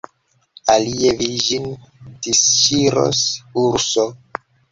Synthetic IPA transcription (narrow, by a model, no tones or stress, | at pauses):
alievid͡ʒindisʃiɾo̰suɾso